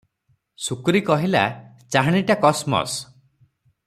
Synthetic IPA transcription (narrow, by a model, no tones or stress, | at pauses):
sukuɾikɔɦila̰ | t͡ʃaɦaɽ̃iʈakɔsmɔ̰s